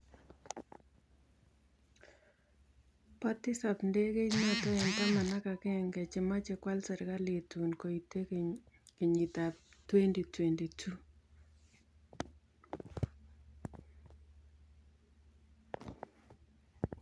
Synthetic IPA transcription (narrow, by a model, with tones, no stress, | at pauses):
pa˦tɪ˦sapnde˦ke˦jɲɔ˦tɔ˦ɛ˨nta˦ma˨na˦ka˨kɛ˦ŋɡɛ˨t͡ʃe˨ma˦t͡ʃekwa˦lsɛ˨ɾka˦le˨tu˨nko˨itːe˦k | kɪ˨ɲi˨ta˨p̚twe˦ndi˨twe˨ndi˨tʰu˦